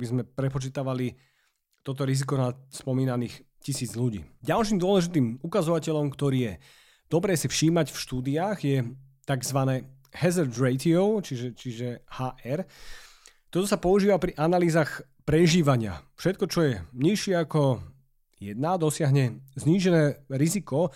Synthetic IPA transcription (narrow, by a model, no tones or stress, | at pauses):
bizmɛpɾɛpɔt͡ʃit̪aʋali | t̪ɔt̪ɔɾizikɔnat̪spɔmiːnaniːx | cisiːd͡zʎuɟḭːɟalʃiːmd̪ʊɔlɛʒit̪iːmukazɔʋacɛʎɔmkt̪ɔɾiːjɛ | d̪̥ɔbɾɛːsifʃiːmacfʃt̪uːd̪iaːɣjɛ | t̪aɡzʋanɛː | hɛzɛɾt̪ɾɛt̪iɔʊt͡ʃiʒɛt͡ʃiʒɛhaːʔɛɾ | t̪ɔt̪ɔsapɔuʒiːʋapɾiʔanaliːzaːx | pɾɛʒiːʋaɲɪa̰fʃɛt̪kɔt͡ʃɔjɛɲiʃɪɛakɔ | jɛd̪nad̪ɔsɪaɦɲɛzɲiːʒɛnɛːɾizikɔ